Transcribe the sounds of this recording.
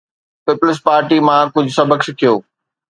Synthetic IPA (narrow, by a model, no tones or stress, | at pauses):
pɪplɪs̬paːɾʈimãkʊd͡ʑʱʊsɐbəksɪkʰijoː